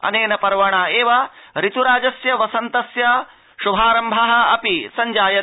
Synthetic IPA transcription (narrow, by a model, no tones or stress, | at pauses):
ɐ̰neːnɐpɐɾʋɐɳaːeːʋɐɾit̪uɾaːd͡ʒɐsjɐʋɐsɐnt̪ɐsjɐ | ʃubʱaːɾɐmbʱɐɦɐ̆ɐpisɐɲd͡ʒaːjɐ